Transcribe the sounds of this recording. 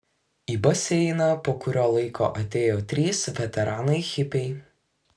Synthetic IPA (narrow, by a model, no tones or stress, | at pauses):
iːbɐsʲɛɪnɐpoːkʊɾʲoːlˠɐɪkʰo̰ːʔɐt̪ʲeːjoːt̪ʲɾʲiːsʋʲɛt̪ʲɛɾɑːnɐɪxʲɪpʲɛɪ